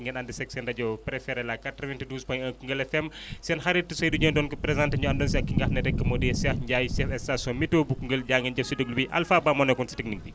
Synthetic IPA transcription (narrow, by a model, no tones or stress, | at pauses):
ŋɡɛnandisɛksɛndɐɟɔpɾɛfɛɾɛlakatɾɐvɛntiduːspɔjɐkuŋɡəlɛfɛmsɛnxaɾitːisɔjduɲondɔnkupɾɛzãntɐɲuɐndɔːns̬iɐkːiŋɡahnɐɾɛkːəmɔdɛsiɐhɲɟajsiɛfɛsasɔmitobukuŋɡəlɟaːŋɡɛnɟɐfsidəɡlubiʔɐ̰lfaːbamɔnɛkɔnsi̥tɛk̚nik̚bi